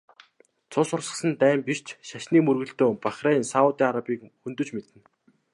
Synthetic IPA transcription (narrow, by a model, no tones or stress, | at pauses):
t͡sʰʊsʊrsə̆sə̆nt̪æːmpir̥t͡ɕʃaʃniːmɵrɣɘ̆ɬt̪oːpaχreːnsaʊt̪iːaɾapiːkxɵnt̪ɵ̆t͡ɕmet̪ɘ̆n